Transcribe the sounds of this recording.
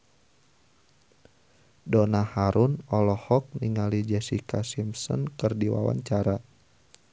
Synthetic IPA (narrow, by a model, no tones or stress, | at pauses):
dɔnahaɾunɔlɔhɔk̚niŋalid͡ʒɛsikasimsɔ̰nkɨrdiwa̰wa̰ɲt͡ʃaɾa